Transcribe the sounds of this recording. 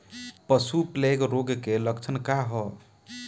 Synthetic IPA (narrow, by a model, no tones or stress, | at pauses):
pəsupleɡɾoɡkeləkt͡ʃʰənkaɦɔ